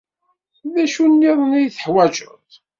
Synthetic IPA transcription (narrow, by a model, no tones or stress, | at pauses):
ðæʃunːiðˤnijθə̥ħwæʒə̰tˤ